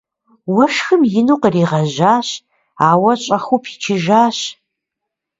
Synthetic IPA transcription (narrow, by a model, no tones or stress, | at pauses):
wɐʂxɨmjɪnuːqəriːʁɐʑaːɕ | aːwɐɕʼɐχupʰi̥t͡ʃʰɪʒaːɕ